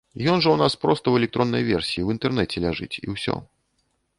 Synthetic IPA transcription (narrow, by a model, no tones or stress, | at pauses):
jɔnʐəwnaspɾɔst̪ɐwɛlʲɛkt̪ɾɔnːɐjvʲɛrsʲijiwint̪ɛrnɛt͡sʲɛlʲaʐɨ̰t͡sʲḭwsʲɔ̰